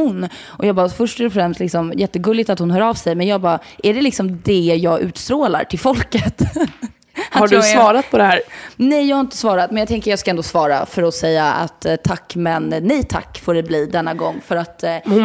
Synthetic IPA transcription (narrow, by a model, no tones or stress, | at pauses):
ʊnː | ʔɔjɑːɡbɑːfœʂʈːɔfɾɛmst̪lɪksɔmjɛt̪ːəɡɵlːɪɡt̪at̪hʊnɦœːɾɑːvsɛjmɛnjɑːɡ̚bɑːʔæɖɛlɪksɔmd̪ɛjɑːɡʔʉ̟̰ːt̪st̪ɾoːla̰ɾʈʰɪlfɔlkət̪ | ahaɖɵsvɑːɾat̪̚pʰɔd̪ɛhæːɾnɛjjɑɡhaɾɪnt̪ə̥svɑːɾat̪̚mɛnjaɡ̚t̪ɛŋkəɾjɑːskaɛnd̪ɔsvɑːɾa̰fœɾɔsɛjːaa̰t̪ːt̪ʰːakːmɛnːɛjt̪ʰa̰kːfɔɖɛbliːd̪ɛnːaɡɔŋːfœɾat̪